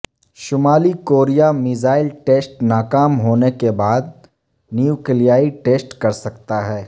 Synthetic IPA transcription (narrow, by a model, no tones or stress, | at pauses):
ʃʊmaːlikoːɾijamɪzaːɪlʈeːsʈnaːkaːmɦoːnekebaːd̪̚ | njukɪlijaːiʈeːsʈkɐɾsɐkt̪aɦɛː